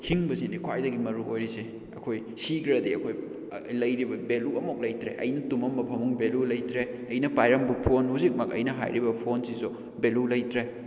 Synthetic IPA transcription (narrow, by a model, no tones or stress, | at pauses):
hiŋbɐzinikʰwajdɐɡimɐɾuojɾise | ɐ̰kʰoj | siɡɾɐdiɐkʰoj | lɐjɾibɐbeluɐmok̚lɐjtɾḛʔɐ̰jnɐtumɐmːɐpʰɐmuŋbelulɐjtɾeɐjnɐpajɾɐmbupʰonhuzik̚mɐk̚ɐ̰jnɐɦa̰jɾibɐpʰonsizu | belulɐjtɾe